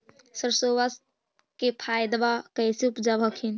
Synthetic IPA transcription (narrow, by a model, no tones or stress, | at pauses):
səɾsoːʋas | kepʰaːjd̪ʋakəːseupd͡ʒabʱəkʰin